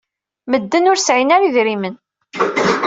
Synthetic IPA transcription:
məd̪ːənʊɾsʕinaɾiðɾimən

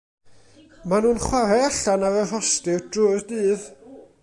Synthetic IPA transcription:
manuːnχwaɾɛaɬanavər̥ɔstɪd̥rʊɨrdɨːð

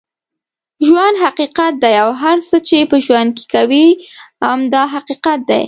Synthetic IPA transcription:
ʒwand̪ɦaqiqat̪̚d̪ajawɦaɾsət͡ʃepəʒwand̪̚ke̥kawiamd̪ɑɦaqiqat̪̚d̪a̰j

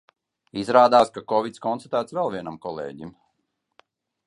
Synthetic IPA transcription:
izɾaːd̪aːskakɔvit̪skɔnt̪ḁt̪æːt̪svɛlˠvʲiɛnamkɔlˠḛːɟim

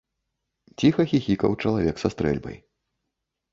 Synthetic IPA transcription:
t͡sʲixɐxʲixʲikɐ̰wt͡ʂɐlˠavʲɛksast̪ɾɛ̰lʲbɐ̰j

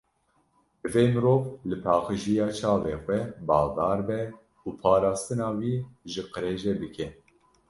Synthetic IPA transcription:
bɨveːmɨɾoːvlɨpʰɑːqɨʒijɑːt͡ʃʰɑːveːxʷɛbɑːɣd̪ɑːɾbɛ | uːpʰɑːɾɑːst̪ɨnɑːwiːʒɨqɨɾeːʒɛbɨkʰɛ

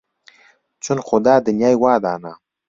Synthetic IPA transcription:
t͡sʊnxʊd̪ɑːd̪ənjɑːjwɑːd̪aːna

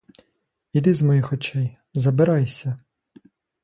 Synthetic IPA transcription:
id̪ɪzmɔjixɔt͡ʃɛj | zɐbɪɾɑjsʲɐ

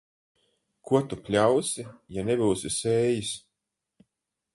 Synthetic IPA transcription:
kuɔt̪upʲlʲawsʲijanɛbuːwsʲisɛːjis

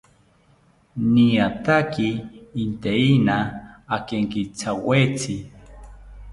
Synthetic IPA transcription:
niat̪akiːnt̪einaːkeŋkit͡sʰawet͡sʰi

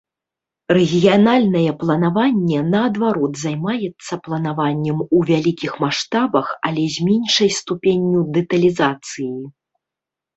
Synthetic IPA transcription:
rɛɣʲijanalʲnɐjɛplˠɐnavanʲːɛnɐɐd̪vaɾɔd̪zajmajɛt̪sːɐplˠɐnavanʲːɛmuvʲalʲikʲixmaʂt̪abɐxɐ̰lʲɛzʲmʲenʲʂɐjst̪upʲenʲːud̪ɛt̪ɐlʲizat̪sɨji

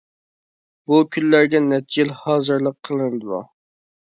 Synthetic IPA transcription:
bukʲʰynlæɾɡʲɛnɛt̪̚ɪd͡ʒilhɑːzɨɾlˠəqʰːəlˠɨnɨd̪ɨlṵ

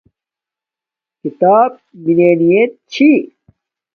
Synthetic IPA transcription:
kit̪aːb̚bineːnijet̪̚t͡ɕʰi

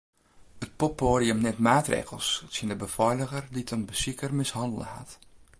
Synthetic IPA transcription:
ət̚popːoːɾiəmnɛtmaːtrḛːɣəl̩ˠssiəndəbəfɔjləɣərditʰənbəsikərmɪshɑndələ̰ha̰t

